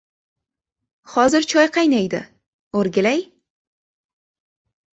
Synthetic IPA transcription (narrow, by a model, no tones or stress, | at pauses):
hɒzɪɾt͡ʃʰɒjqʰɑjnajd̪ɪ̰ | oɾɡʲɪlaj